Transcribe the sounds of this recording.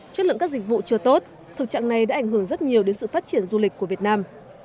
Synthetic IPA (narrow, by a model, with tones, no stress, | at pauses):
t͡ɕə˦˥t̚lə̰˧˨kaː˦˥k̚zi˨˩k̟̚vṵ˧˨t͡ɕɨ˧ət̪o˦˥t̚ | t̪ʰɨ˨˩k̚t͡ɕa̰ː˧˨ŋna˨˩jɗa̰ː˧˥ʔa˧˩ŋ̟ɦɨ˧˩əŋzə˦˥t̚ɲi˨˩əwɗe˨˦nsɨ̰˧˨faː˦˥t̚t͡ɕi˧˩ənzu˧li˨˩k̟̚ku˧˩əvi˨˩ət̚naː˧m